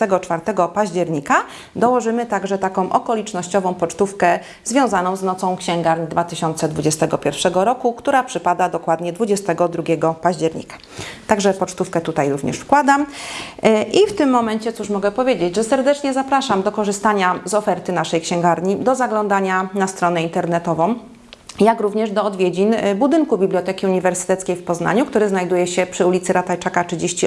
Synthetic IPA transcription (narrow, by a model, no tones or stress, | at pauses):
t̪ɛɡɔt͡ʂfaɾt̪ɛɡɔpaʑd͡ʑɛɾɲika | d̪ɔwɔʐɘmɘt̪aɡʐɛt̪akɔ̃w̃ʔɔkɔlʲit͡ʂnɔɕt͡ɕɔvɔ̃w̃pɔt͡ʂt̪ufkɛ | zvʲjɔ̃w̃zanɔ̃w̃znɔt̪sɔ̃w̃kɕɛŋɡaɾɲd̪vat̪ɘɕɔnt̪sɛd̪vud͡ʑɛst̪ɛɡɔpʲjɛɾfʂɛɡɔɾɔkukt̪uɾapʂɘpad̪ad̪ɔkwad̪ɲɛd̪vud͡ʑɛst̪ɛɡɔd̪ɾuɡʲɛɡɔpaʑd͡ʑɛɾɲḭkḁ | t̪aɡʐɛpɔt͡ʂt̪ufkɛt̪ut̪ajɾuvɲɛ̰ʂfkwad̪am | ʔift̪ɘmːɔmɛɲt͡ɕɛt̪suʂmɔɡɛpɔvʲjed͡ʑed͡ʑʐɛsɛɾd̪ɛt͡ʂɲɛzapɾaʂamd̪ɔkɔʐɘst̪aɲazɔfɛɾt̪ɘnaʂɛjkɕɛ̃ŋɡaɾɲid̪ɔzaɡlɔnd̪aɲanast̪ɾɔnɛint̪ɛɾnɛt̪ɔvɔ̃w̃ | jakɾuvɲɛʐd̪ɔːd̪vʲjed͡ʑinbud̪ɘŋkubʲiblʲjɔt̪ɛkʲiuɲivɛɾsɘ̥t̪ɛt̪skʲejfpɔzna̰ɲuk̚t̪uɾɘznajd̪ujɛɕɛpʂɘulʲit̪sɘɾat̪ajt͡ʂakat͡ʂɘd͡ʑeɕt͡ɕi